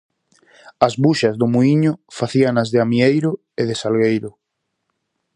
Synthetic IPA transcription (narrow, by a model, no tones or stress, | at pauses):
azβuʃɐzðʊmuiɲʊfaθianazðɪamiejɾʊ | eðɪsalɣejɾʊ